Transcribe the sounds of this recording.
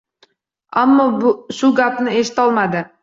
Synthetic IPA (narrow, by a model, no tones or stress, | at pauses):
amːɒbʊʃʊɡapnɪeʃɪ̥t̪ɒlˠmad̪ɪ